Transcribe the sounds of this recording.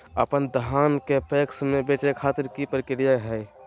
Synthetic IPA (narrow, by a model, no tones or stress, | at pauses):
ə̰pənd̪ɦaːnkepeːksmẽbeːʈekʰaːt̪əɾkipɾɪkɪɾijaɦɛː